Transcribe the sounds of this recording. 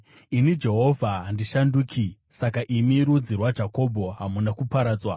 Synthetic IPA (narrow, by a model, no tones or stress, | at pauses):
inid͡ʒe̞ɦo̞vʱandiʃanduːkʰisakaʔimiɾud͡zirwad͡ʒʱako̞bʱo̞ɦamunakupaɾaːd͡zwa